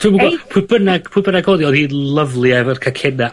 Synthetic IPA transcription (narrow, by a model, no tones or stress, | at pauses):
tʰuːmuɡɔpʰʊbənaɡpʰʊbənaɡhoːðiɔːðhiːdlˠəvlˠiavərkʰakʰɛna